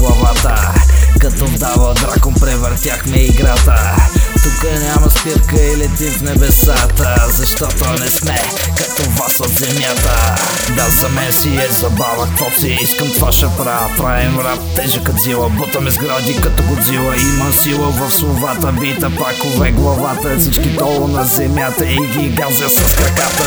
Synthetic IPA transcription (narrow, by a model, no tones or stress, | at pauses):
lˠɐvat̪əkɐt̪ɔd̪avɐd̪ɾakonpɾɛvəɾt̪ʲjaxmɛiɡɾat̪ət̪ukənʲamɐsk̪əɾkəilɛt̪ifnɛbɛsat̪əzɐʃt̪ɔt̪onɛsmɛ | kɐt̪ɔvasot̪zɛmjat̪ə | d̪azɐmɛnsiɛzɐbavət̪ɔt̪iiskəmt̪vaʃɐpɾa | pɾaɛnɾat̪t̪ːɛʒəkɐt̪zilˠɐbot̪ɐmɛzɡɾad̪ikɐt̪ɔɡod̪zilˠəimɐsilˠəvɐfslˠovat̪əbit̪əpakovɛɡlˠɐvat̪əsit͡ʃkid̪ɔlˠonɐzɛmjat̪əiɡ̪iɡazəsɐskɾɐkat̪ə